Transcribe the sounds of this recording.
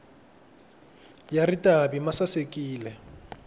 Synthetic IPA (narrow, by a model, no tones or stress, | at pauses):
jaritʼabimasasekʼiːlɛ